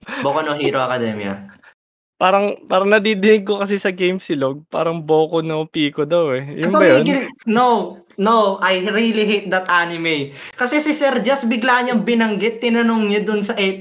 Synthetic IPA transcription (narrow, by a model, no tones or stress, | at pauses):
bokonoɦiːɾoɐkɐd̪ɛ̰mɪɐ̰ | paːɾɐŋpaːɾɐŋnɐd̪iːd̪ɪnɪɡ̚kːokɐsɪsɐɡejmsɪloɡ̚pa̰ːɾɐŋboːkonopiːkod̪ɐwɛjʊnbɐjonɡɪnow | nowʔɐjɾiliɦit̪̚d̪ɐt̪ʔanɪmɛjkɐsɛsɪsɛɾd͡ʒɐs̚bɪɡlaɲɐɐŋbɪnɐŋɡɪt̪ːɪnɐnoŋɲɐd̪ʊnsɐʔɛ